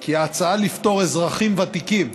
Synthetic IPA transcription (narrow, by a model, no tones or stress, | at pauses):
kiaːt͡saalift̪o̞ʁezʁaχimvat̪ikim